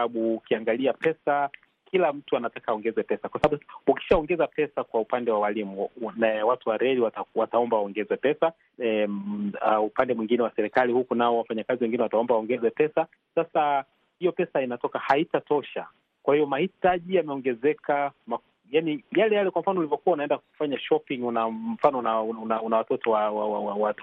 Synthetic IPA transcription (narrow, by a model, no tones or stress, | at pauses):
aɓuːkiaŋɡaliapɛsa | kilam̩tuanatakaːɔŋɡɛzɛpɛsakwasaɓaɓuuki̥ʃaɔŋɡɛzapɛsakwaupandɛwawalimunawatuwaɾɛliwatawataɔmbawaɔŋɡɛzɛpɛsa | aupandɛmwiŋɡinɛwasɛɾikalihukunaɔwafaɲakaziwɛŋɡinɛwataɔmbawaɔŋɡɛzɛpɛsa | sasa | hijɔpɛsainatɔkahaitatɔʃa | kwahiɔmahitaʄijamɛɔŋɡɛzɛkama | janijalɛjalɛkwam̩fanɔulivɔkuwaunaɛndaku̥faɲaʃɔpiŋunam̩fanɔnanaunawatɔtɔwawaawawat